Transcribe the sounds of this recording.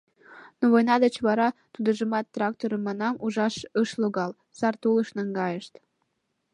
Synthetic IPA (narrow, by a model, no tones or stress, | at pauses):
noβojnɑd̪ət͡ɕβɑɾɑt̪ud̪əʒəmɑt̪ːrɑk̚t̪oɾəmːɑnɑmuʒɑʃəʃloɣɑl | sɑrt̪uləʃnəŋɡɑjəʃt̪